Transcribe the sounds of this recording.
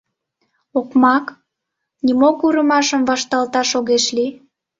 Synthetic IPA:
okmɑk | nimokuɾəmɑʃəmvɑʃt̪ɑlt̪ɑʃoɣeʃli

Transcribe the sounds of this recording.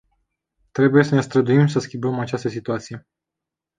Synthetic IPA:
t̪ɾe̞buje̞sənest̪ɾəd̪uimsəskʲimbəmat͡ʃast̪əsit̪uat̪sije̞

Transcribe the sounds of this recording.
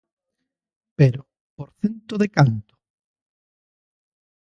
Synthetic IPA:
peɾo | poɾθent̪oðekant̪ʊ̥

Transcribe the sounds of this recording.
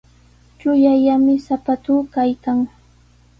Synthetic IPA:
t͡ʃʊjajamɪsapat̪uːkajkaŋ

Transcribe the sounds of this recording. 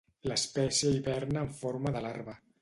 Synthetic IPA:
ləspɛsiəiβɛɾnəːɱfoɾməðalaɾβə

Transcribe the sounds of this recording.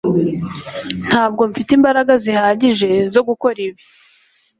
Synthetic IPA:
n̥haːb̚ɡo̞ɱfitiːmbaɾaɡazihaːɟiʒe̞zo̞ɡuko̞ɾiβi̥

